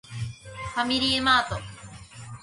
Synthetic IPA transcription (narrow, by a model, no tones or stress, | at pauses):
famiɾiemaːt̪o